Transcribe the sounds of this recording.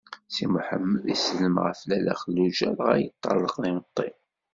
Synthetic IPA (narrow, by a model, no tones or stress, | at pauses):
simʊħəmːəðisləmʁə̰flælæ̰χəlːuʒæɾʁæ̰jət̪ˤːɑ̰lːəqðinət̪ˤːim